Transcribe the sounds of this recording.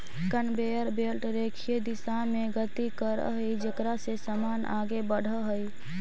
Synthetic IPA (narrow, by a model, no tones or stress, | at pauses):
kənbeəɾbelʈɾekʰijed̪isameɡət̪ikəɾə̰ɦəjd͡ʒekɾasesəmanʔaɡebəɽ̤ʱəɦəj